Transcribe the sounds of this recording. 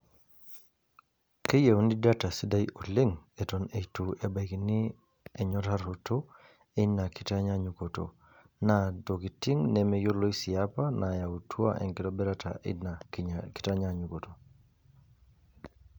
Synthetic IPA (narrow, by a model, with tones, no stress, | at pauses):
ke˦je˨wu˦ni˦da˦ta˨si˦da˦ju˨lɪ˦ŋe˨to˨ne˨tu˨e˨ba˨kini˦ | ɛ˨ɲɔ˦ta˦ɾo˨to˦ | e˦na˨ki˦ta˦ɲa˦ɲu˨ko˨to̰ | na˨do˨ɡi˨ti˦ŋnɛ˨mɛ˨jo˦lo˦i˦sɪ˨a˦pa˦na˨ja˨u˨tʰwa̰˦ʔɛ̰˨ŋkɪ˨tɔ˦bɛ˦ɾatʰa̰˨naki̥˦ta˦ɲa˦ɲu˨ko˨to˨